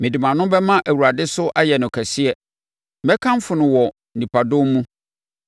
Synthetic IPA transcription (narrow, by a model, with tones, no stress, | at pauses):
mɪ̃˨di˨mã˨nʊ̃˦bɛ˦mã˦ʔæ˨wu˨ɾa˨dɪ˦sʊ˦ʔa˦jɛ˨nʊ̃˨kʰæ˨sɪ˦ɛ˨˦ | bɛ˦kʰã˦m˦fʊ˨nʊ̃˨wɔ˨ | nĩ˨pʰa˨dʊ̃˦mmũ˦